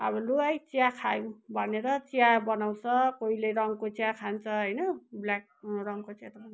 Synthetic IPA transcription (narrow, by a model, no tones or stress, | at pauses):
ʌbʌluajt͡siakʰajũbʱʌneɾʌt͡siabʌnaw̃t͡sʰʌkoileɾʌŋkot͡siakʰant͡sʰʌɦʌjnʌblak̚rʌŋkot͡sʰet̪rʌn